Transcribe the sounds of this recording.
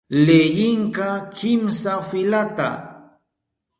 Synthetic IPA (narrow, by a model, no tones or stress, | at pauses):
lejɪŋkakʰɪmsafɪlat̪a̰